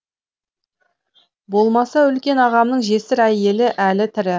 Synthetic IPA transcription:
bo̞lˠmɑsɑʏlkʲe̞nɑʁɑmnəɴʒe̞sɪɾæje̞lɪʔælɪt̪ʰɪɾɪ

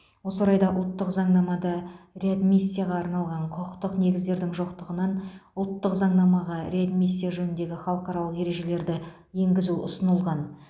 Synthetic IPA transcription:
wo̞soɾɑjd̪ɑʔʊlˠt̪ːəqzɑɴnɑmɑd̪ɑɾe̞ad̪misːijaʁɑːɾnɑlˠʁɑɴqʰʊqʰəqt̪əqne̞ɡʲɪzd̪e̞ɾd̪ɪŋʒo̞qt̪əʁənɑnʊlˠt̪ːəqzɑɴnɑmɑʁɑɾʲead̪misʲːijaʒɵnɪnd̪e̞ɡʲɪχɑlˠəqɑɾɑlˠəqe̞ɾe̞ʒe̞le̞ɾd̪ɪ | je̞ŋɡʲɪzuʊ̰sənəlˠʁɑn

